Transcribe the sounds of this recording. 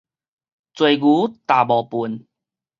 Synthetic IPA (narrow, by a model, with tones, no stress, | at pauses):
t͡swe˨˩ɡu˨˦t̪a˨bɔ˨˩pu˨˦n